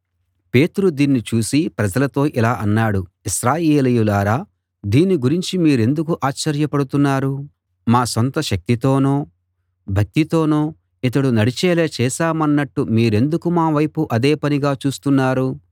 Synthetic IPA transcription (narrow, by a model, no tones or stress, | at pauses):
pe̞ːt̪uɾud̪iːnːit͡ʃuːsipɾɐd͡ʒɐlɐt̪o̞ːʔilaːʔɐnːaːɽuiʃɾaːjeːlijulaːɾaː | d̪iːnːiɡuɾiɲt͡ʃimiːɾe̞nd̪ukuʔaːt͡ʃːɐɾjɐpɐɽut̪unːaːɾu | maːsont̪ɐʃɐk̚t̪it̪o̞ːnoː | bʱɐk̚t̪it̪o̞ːnoː | it̪̬ɐɽunɐɽit͡ʃɛːleːt͡ʃɛːsaːmɐnːɐʈːumiːɾe̞nd̪ukumaːʋɐjpuʔɐd̪eːpɐniɡaːt͡ʃuːst̪unːaːɾu